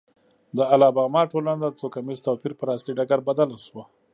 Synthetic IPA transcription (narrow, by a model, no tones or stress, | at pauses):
d̪əalɑbɑmɑʈolanad̪ət͡s̪okamizt̪opiɾpəɾɑst̪iɖaɡaɾbad̪alaʃwa